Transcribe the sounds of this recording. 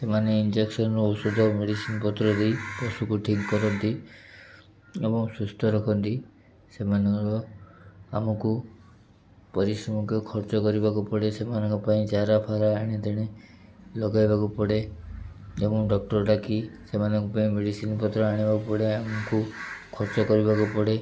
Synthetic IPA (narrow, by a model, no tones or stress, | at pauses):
semaneind͡ʒeksɔnɔɾuusud̪ʱɔmeɽisinpɔt̪ɾɔd̪ejpɔsukuʈʰiŋkkɔɾɔnt̪i | ebɔŋsust̪ʰɔɾɔkʰɔnt̪i | semanɔŋɾɔ | a̰mɔku | pɔɾisɾɔmukʰjɔkʰɔɾt͡ʃɔkɔɾibakupɔɽesemanɔŋkɔpaĩt͡ʃaɾapʰaɾaːɽ̃id̪ʱiɽ̃e | lɔɡajbakupɔɽe | d͡ʒemũɖɔk̚ʈɔɾʈakisemanɔŋkɔpaĩmeɽisinpɔt̪ɾɔaɽ̃ibakupɔɽeamɔkukʰɔɾt͡ʃɔkɔɾibakupɔɽe